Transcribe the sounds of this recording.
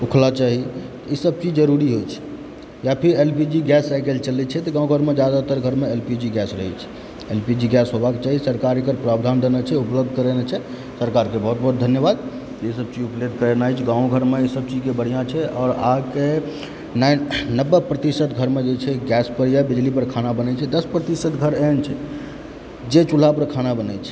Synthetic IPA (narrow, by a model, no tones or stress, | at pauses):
ukʰlat͡ʃaɦit̪isəb̚t͡ʃid͡ʒd͡ʒəɾuɾiɦojt͡ʃʰɛ̥ | japʰiɾelpid͡ʒiɡɛsajkelt͡ʃəlɛt͡ʃʰɛt̪ɔɡãũɡʱəɾmed͡ʒjad̪at̪əɾɡʱəɾmeelpid͡ʒiɡɛsɾəɦɛt͡ʃʰɛ̥ | elpid͡ʒiɡɛsɦobaket͡ʃaɦisəɾkaɾikəɾpɾabd̪ʱand̪ʱenɛt͡ʃʰɛupləb̚d̪ʱkəɾenɛt͡ʃʰɛ | səɾkaɾkebɔɦut̪̚bʱɔɦut̪̚d̪ʱənjəbad̪ | t̪esəb̚t͡ʃid͡ʒupled̪̚ʱkəɾenajt͡ʃʰɛɡãw̃ɡʱəɾmeesəb̚t͡ʃid͡ʒkebəɽ̤ijãt͡ʃʰɛɔːɾake | nnəbːepɾət̪isət̪ɡʱəɾmed͡ʒet͡ʃʰɛɡɛspəɾjabid͡ʒlipəɾkʰanabənət͡ʃʰɛd̪əspɾət̪isət̪ɡʱəɾent͡ʃʰɛ | d͡ʒet͡ʃul̤apəɾkʰanabənat͡ʃʰɛ̥